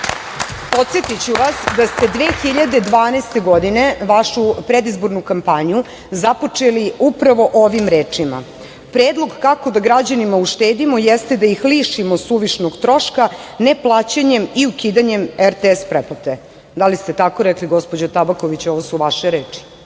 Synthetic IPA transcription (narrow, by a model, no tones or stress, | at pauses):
po̞t̪set̪it͡ɕuʋasd̪ast̪e̞d̪ʋeːxiʎad̪ed̪ʋaːnest̪e̞ɡo̞d̪ine̞ʋaʃupɾed̪izbo̞ɾnukampaɲiju | zapo̞t͡ʂeliupɾaʋo̞ʔoʋimɾeːt͡ʂima̰ | pɾeːd̪lˠo̞ɡkako̞d̪aɡɾad͡ʑanimauʃt̪eːd̪imo̞jest̪e̞d̪aixliːʃimo̞suʋiʃnoɡt̪ɾo̞ʃkane̞plˠaːt͡ɕaɲe̞miukiːd̪aɲe̞meɾt̪eespɾepot̪e | d̪alist̪e̞t̪ako̞ɾɛkliɡo̞spo̞d͡ʑot̪abakoʋit͡ɕoʋosuʋaʃeɾeːt͡ʂi̥